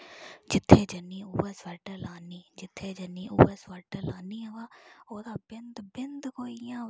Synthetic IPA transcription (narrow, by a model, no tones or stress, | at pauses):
d͡ʒɪt̪ʰːeːd͡ʒənːiːuːɛːsʋəɾʈəlaːniːd͡ʒɪt̪ʰːeːd͡ʒənːiːʔuːɛːsʋəɾʈəlaːniːəʋaːoːd̪aːbɪnd̪bɪnd̪koːijãː